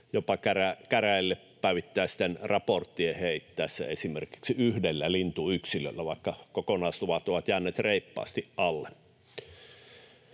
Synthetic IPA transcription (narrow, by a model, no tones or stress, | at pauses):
jopɑkærækæræˑelːeppæˑiyʋit̪ːæːsi̥t̪ːenrɑport̪ːieheˑit̪ːæˑesːæ̰esimerki̥ksiyhdelːælint̪uyksilø̰lːæʋɑˑekːɑkokonɑˑst̪uʋɑt̪oʋɑt̪jæːˑnːet̪reˑipːɑ̰ːst̪iʔʔɑlːe